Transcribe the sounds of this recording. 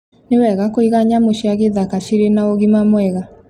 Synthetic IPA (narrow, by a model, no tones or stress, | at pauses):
newɛɣakoiɣaɲamoʃiaɣeðakaʃiɾenaoɣimamwɛɣa